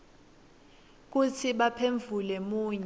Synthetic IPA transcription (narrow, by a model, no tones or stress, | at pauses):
k̬ut͡sʰiɓapʰeɱvulɛmuːɲ